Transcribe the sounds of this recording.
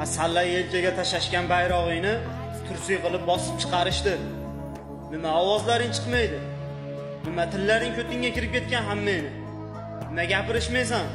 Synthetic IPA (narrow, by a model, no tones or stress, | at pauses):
asalːajelt͡ʃʰaɡʲat̪ʰaʃaʃkʲanbajɾɒʁɨjnɪ | t̪ʰʊɾsɪjqɨlˠɪp̚bɒsɪ̥p̚t͡ʃʰɨ̥qʰɑɾɪʃt̪ɪ | nɪmaɒwɒzlaɾɪnt͡ʃʰɨ̥qmajd̪ɪ | nɪmat̪ʰɪlːaɾɪŋkʲʰɵt̪ɪŋʲakʲɪɾɪp̚kʲʰe̞t̪̚kʲanɦamːejnɪ | nɪmaɡʲapɪɾɪʃmejs̬an